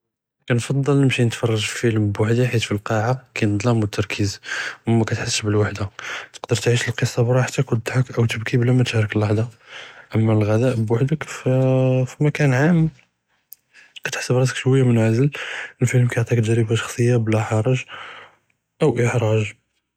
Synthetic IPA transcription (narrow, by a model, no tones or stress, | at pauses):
kænfɑd̪ˤːɑlnəmʃinət̪fɑrˤːɑʒfi̥fəlmbwaħd̪iħit̪filqɑʕakænəd̪ˤlɑmwət̪ːɑɾˤkʰizwumːækæt̪ħasːəʃbəlwaħd̪at̪ə̥qd̪əɾt̪ʕiʃəlqəsˤːɑbɾˤɑħat̪ːækʊd̪ˤħɑkʔəwt̪əbkiblæmæt̪ɾəkəlːɑħd̪ˤɑʔəmːælɣæd̪æʔbwaħd̪ək | fimækænʕam | kæt̪ħḁsːəbɾˤɑs̬əkʃwəjːamənʕazələlfiləmkæjʕt̪ˤik̪ʒɾəbaʃɑ̥xsˤəjːablæħɑɾˤɑʒ | ʔəwʔəħɾˤɑʒ